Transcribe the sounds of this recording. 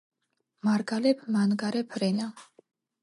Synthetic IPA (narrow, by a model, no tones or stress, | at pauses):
maɾɡalɛpʰmanɡaɾɛpʰɾɛna